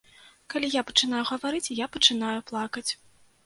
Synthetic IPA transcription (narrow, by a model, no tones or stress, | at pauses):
kalʲijapɐ̥t͡ʂɨnajuɣɐvaɾɨt͡sʲjapɐt͡ʂɨn̪ajuplˠakɐt͡sʲ